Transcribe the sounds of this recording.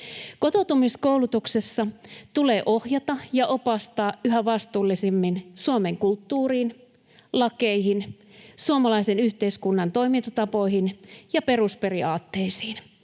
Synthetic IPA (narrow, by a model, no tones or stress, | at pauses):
ko̞t̪ot̪umiskoulut̪uksesːɑt̪ule̞ːʔo̞hjɑt̪ɑjɑʔopɑst̪ɑːyɦæʋɑst̪uːlːisimːinsuomeŋkult̪ːuːriːn | lɑkeihin | suomɑlɑisenyht̪e̞iskunːɑnt̪o̞jmint̪ɑt̪ɑpo̞jhinjɑpe̞ruspe̞riɑːt̪ːe̞isiːn